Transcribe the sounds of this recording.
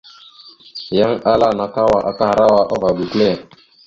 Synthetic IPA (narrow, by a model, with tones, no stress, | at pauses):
ja˦ŋa˦la˦˨na˨ka˦wa˦˨ʔa˨˦ka˦ha˨ɾa˦wa˦ʔɔ˦va˨ɡu˨klɛ˦˨